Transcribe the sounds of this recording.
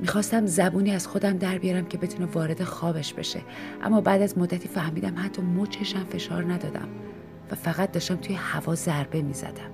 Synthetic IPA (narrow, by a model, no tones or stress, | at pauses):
miːxɒːst̪æmzæbuːniːæz̥xo̞d̪æmd̪æɾbijɒɾæmcʰe̞be̞t̪ʰunevɒːɾe̞d̪e̞xɒːbeʃb̥e̞̰ʃe̞̰ | ʔæ̰mːɒːbæːd̪æzmod̪ːæt̪ʰiːfæhmiːd̪æmhæt̪ʰːɒːmot͡ʃʰeʃæmfe̞ʃɒːɾnæd̪ɒːd̪æ̰m | væfæɣæt̪̚d̪ɒːʃt̪æmt̪ʰujehævɒːzæɾbe̞miːzæ̰d̪̥æm